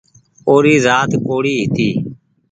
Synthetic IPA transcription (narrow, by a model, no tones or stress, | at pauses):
oːɾiːzaːt̪koːɽiːɦit̪iː